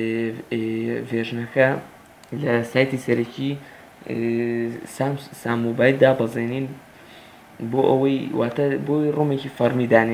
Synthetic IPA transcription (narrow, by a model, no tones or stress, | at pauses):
veʒnɐkɐ | lɐsaːjt̪isɐɾɐcʰi | samsaːmːobaːjld̪aːbɐzˤeniːn | boʔɐwɐjwaːt̪ɐboːwɐjroːmecifɐɾmid̪aːne